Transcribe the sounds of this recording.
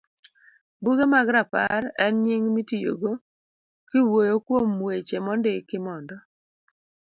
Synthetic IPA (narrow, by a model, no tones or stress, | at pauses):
buɡemaɡɾapa̰rɛnɲiŋmitijo̰ɡo | kɪwojokwomːwet͡ʃemɔndekɪmɔndɔ